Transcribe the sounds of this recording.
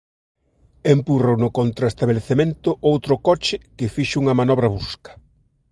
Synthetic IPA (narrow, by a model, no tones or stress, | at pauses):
empurownʊkont̪ɾɐest̪aβeleθemẽnt̪ʊʔowt̪ɾʊkɔt͡ʃɪkɪfiʃuŋɐmanɔβ̞ɾɐβuskɐ̥